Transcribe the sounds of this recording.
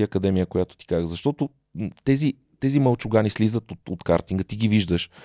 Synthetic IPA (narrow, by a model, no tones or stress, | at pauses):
iɐkɐd̪ɛmijəkʊjat̪ʊ̥t̪i̥kazəzɐʃt̪ɔt̪ʊ | t̪ɛzi | t̪ɛziməlˠt͡ʃʊɡanislizət̪ot̪ot̪kaɾt̪iŋɡət̪iɡiviʒd̪əʃ